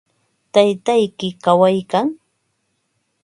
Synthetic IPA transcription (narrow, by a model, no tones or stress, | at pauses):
t̪ajt̪ajkɪkawajkaŋ